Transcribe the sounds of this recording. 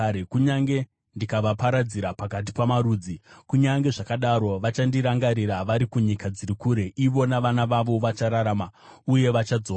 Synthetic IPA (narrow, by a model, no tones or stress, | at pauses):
ekuɲaŋɡe̞ | ndikaʋapaɾad͡ziɾapakat̬ipamaɾuːd͡zikuɲaŋɡe̞ʐakaɗaɾo̞ʋat͡ʃandiɾaŋɡaɾiɾaʋaɾikuɲikad͡zirikuːɾe̞ʔiʋo̞naʋanaʋaʋo̞ʋat͡ʃaɾaɾaːma | uje̞ʋat͡ʃad͡zoː